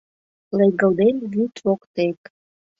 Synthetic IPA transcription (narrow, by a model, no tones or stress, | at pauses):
leɡə̆lˠd̪enβyt̪βokt̪ek̪